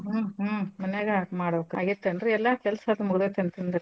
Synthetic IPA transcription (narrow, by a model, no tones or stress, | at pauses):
mɐneɡamaːɽokaːɡit̪ːɐndɾeɛlːaːkɛlɐsɐd̪ɐmuɡd̪et̪ɐnt̪ɐnd̪ɐɾ